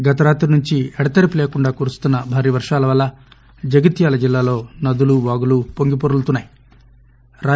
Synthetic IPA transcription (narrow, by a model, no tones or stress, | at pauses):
ɡɐt̪ɐɾaːt̪ɾunuɲt͡ʃiɛɽɐt̪ɐɾipule̞ːkuɳɖaːkuːɾust̪unːɐbʱaːɾiːʋɐɾʂaːlɐʋɐlːɐ | d͡ʒɐɡɐt̪jaːlɐd͡ʒilːaːlo̞ːnɐd̪uluʋaːɡulupoŋɡipoɾult̪unːaːji | ɾaː